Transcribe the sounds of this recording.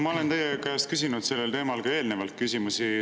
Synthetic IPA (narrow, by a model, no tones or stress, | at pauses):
mɑole̞nt̪ejekæːst̪̚kys̬inud̪se̞lːelt̪e̞ːmɑlkɑe̞ːlnevɑlt̪kysʲimusi